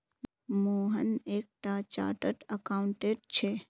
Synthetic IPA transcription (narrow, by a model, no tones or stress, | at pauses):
moːɦəneːk̚ʈaːt͡ʃa̰ːʈəʈəkaːʊɳʈeːɖt͡ʃʰeː